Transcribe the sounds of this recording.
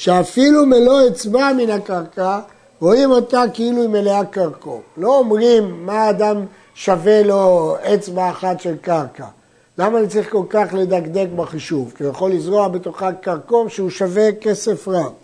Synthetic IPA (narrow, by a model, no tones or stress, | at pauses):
ʃeafilumelo̞et͡sbaminakaʁka | ʁoimot̪akiiluimeleakaʁko̞vlo̞ːmʁimːaːd̪am | ʃave̞lo̞et͡sbaːχat̪ʃelkaʁka | lamanit͡saʁiχko̞lkaχled̪aɡd̪e̞kbaχiʃuvkijaχo̞lːizʁoaχbet̪oχakaʁko̞vʃeuʃave̞ke̞se̞fʁa